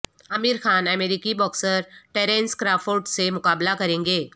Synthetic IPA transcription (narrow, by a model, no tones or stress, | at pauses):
ɐmiːɾxaːnɛmeːɾiːkibɔːksəɾʈeːɾẽːnskɾaːfoːɾʈsemʊkaːblakɐɾẽːŋɡeː